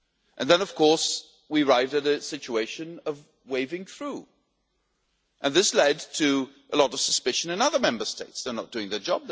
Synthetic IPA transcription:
ʔɨ̃nðɨ̃nʌv̥kʰɔɹs | wiə˞aɪvdɨɾɨsɪt͡ʃueɪʃɨ̃nʌv | weɪvɪ̃ŋθɹu | ʔɨ̃nðɪslɛd̚tʰɨʔəlɔɾʌv̥səspɪʃɨ̃nɨ̃nʌðə˞mɛ̃mbə˞steɪtsðə˞nət̚d̥ʉɪ̃ŋðə˞d͡ʒɑb̚ð

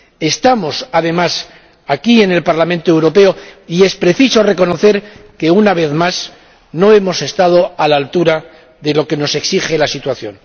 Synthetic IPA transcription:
e̞st̪amo̞saðe̞mas | akie̞ne̞lpaɾlamẽnt̪oe̞wɾo̞pe̞oie̞spɾe̞θiso̞re̞ko̞no̞θe̞ɾke̞unaβe̞θmas | no̞e̞mo̞se̞st̪að̞o̞alalt̪uɾa | ðe̞lo̞ke̞no̞se̞ksiχe̞lasit̪waθjo̞̰n

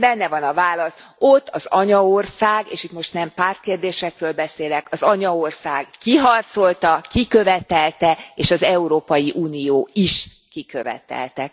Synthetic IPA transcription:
bɛnːɛvɒnɒvaːlɒso̞t̪ːɒzɒɲɒorsaːɡeːʃit̪mo̞ʃt̪nɛmpaːrt̪̚keːrd̪eːʃɛkrøːlbɛseːlɛkɒzɒɲɒorsaːɡːiɦɒrt̪so̞lt̪ɒkikø̞vɛt̪ɛlt̪ɛeːʃɒzɛuɾoːpɒjiʔuːnijoːiʃ | kikøvɛ̰t̪ɛ̰lt̪ɛk̚

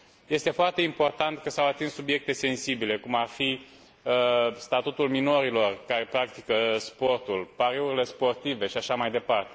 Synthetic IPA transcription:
je̞st̪e̞foart̪e̞impo̞rt̪ant̪kəsawat̪inssubje̞k̚t̪e̞se̞nsibile̞kumarfi | əst̪at̪ut̪ulmino̞ɾilo̞rkaɾe̞pɾak̚t̪ikəspo̞rt̪ulpaɾeuɾile̞spo̞rt̪ive̞ʃiaʃamajd̪e̞part̪e̞

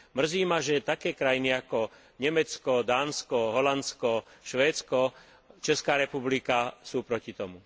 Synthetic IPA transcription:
mr̩ziːmaʒɛt̪akɛːkɾajiniakɔ | ɲɛmɛt͡skɔd̪aːnskɔɦɔlanskɔʃʋɛːt͡skɔ | t͡ʃɛskaːɾɛpublikasuːpɾɔcit̪ɔmu

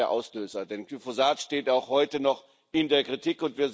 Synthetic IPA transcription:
ɐʔa̰ʊsløːzɐdɛnkyfozaːtʃteːtaʊxhɔʏtənɔχ | ɪndeːɐkʁ̥itiːkʊntv̥iːɐz

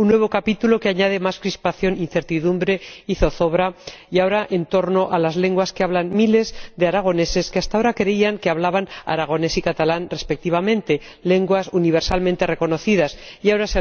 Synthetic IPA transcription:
unːwe̞β̞o̞kapit̪ulo̞ke̞aɲað̞e̞maskɾispaθjo̞nin̟θe̞ɾt̪iðumbɾe̞iθo̞θo̞βɾaiao̞ɾaʔent̪o̞ɾno̞ʔalazle̞ŋɡwaskeaβ̞lanmile̞zd̪e̞aɾaɣ̞o̞ne̞se̞ske̞ast̪ao̞ɾakɾe̞iaŋkeaβlaβana̰ɾaɣ̞o̞ne̞sikat̪alanre̞spe̞k̚t̪iβamẽ̞nt̪e̞ | le̞ŋɡwasuniβ̞e̞ɾsalmẽnt̪ere̞ko̞no̞θiðasiaoɾas

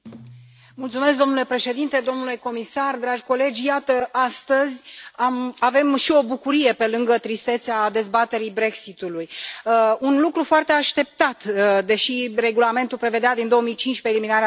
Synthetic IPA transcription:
mult̪sume̞sk̚d̪o̞mnule̞pɾe̞ʃe̞d̪int̪e̞d̪o̞mnule̞ko̞misard̪ɾad͡ʒʲko̞le̞d͡ʒʲjat̪əast̪əzʲamave̞mʃio̞bukuɾije̞pe̞lɨŋɡət̪ɾist̪e̞t̪sead̪e̞zbat̪e̞ɾibɾe̞ksit̪uluj | unlukɾufoart̪e̞aʃt̪e̞p̚t̪at̪d̪e̞ʃire̞ɡulame̞nt̪ulpɾe̞ved̪ead̪ind̪o̞omijt͡ʃint͡ʃʲpe̞ːliminaɾea

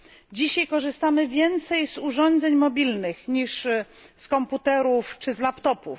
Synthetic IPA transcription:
d͡ʑiɕajkɔʐɘst̪amɘvʲjɛnt̪sɛjzuʐɔnd̪zɛɲmɔbʲilnɘxɲiʂ | skɔmput̪ɛɾuft͡ʂɘzlapt̪ɔpṵf

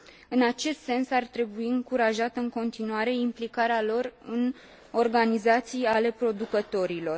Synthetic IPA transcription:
ɨnat͡ʃe̞st̪se̞nsart̪ɾe̞buiɨŋkuɾaʒat̪ɨŋko̞nt̪inuaɾe̞implikaɾealo̞rɨn | o̞rɡanizat̪sijale̞pɾo̞d̪ukət̪o̞ɾilo̞r

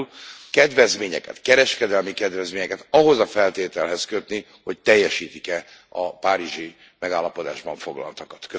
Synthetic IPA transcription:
lkɛd̪vɛzmeːɲɛ̰kɛ̰t̪kɛɾɛʃkɛd̪ɛlmikɛd̪vɛzmeːɲɛkɛt̪ɒɦo̞zɒfɛlt̪eːt̪ɛlɦɛskø̞t̪ni | ho̞c̚t̪ɛjːɛʃiːt̪ikɛ | ɒpaːɾiʒi | mɛɡaːlːɒpo̞d̪a̰ːʒbɒɱfo̞ɡlɒ̰lt̪ɒkɒ̥t̪kø

